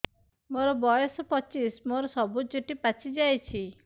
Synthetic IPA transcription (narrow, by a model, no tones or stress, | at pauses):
moɾɔbɔjɔsɔpɔt͡ʃismoɾɔsɔbud͡ʒoʈipat͡ʃʰid͡ʒajt͡ʃʰi